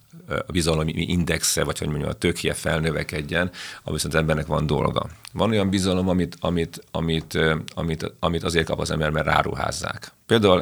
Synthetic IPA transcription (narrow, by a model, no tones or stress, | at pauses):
ɒbizɒlommiiʔind̪ɛksɛvɒcho̞̰ɟmoɲːṵɒt̪øːkhijɛfɛlnøvɛkɛɟːɛnɒ̰misozɛmbɛrnɛkʋɒnd̪o̞̰lɡɒ̰vɒno̞jɒmbizɒlo̞mɒmit̪ɒmit̪ɒmit̪ɒmit̪ɒmit̪ɒzeːrt̪̚kɒpɒzɛ̰mbɛrmɛrːa̰ːɾṵɦa̰ːzːa̰ːkpeːld̪aːul